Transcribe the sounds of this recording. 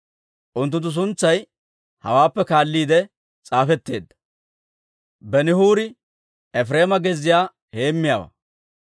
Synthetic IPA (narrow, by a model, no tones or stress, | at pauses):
ʔʊnt̪̬ːʊnt̪ːʊs̬ʊnt͡sːɐj | hɐ̰waːpːɛkaːlːiːd̪ɛ | t͡sʼaːfɛt̪ːe̞ːd̪ːɐ̥ | bɛnɪhuːɾɪ | ɛfɾe̞ːmɐɡɛzːɪjaː | he̞ːmːɪjaːwɐ̰